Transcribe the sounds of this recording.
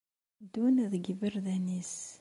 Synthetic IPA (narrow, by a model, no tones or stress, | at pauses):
d̪unæðɡəvəɾðænis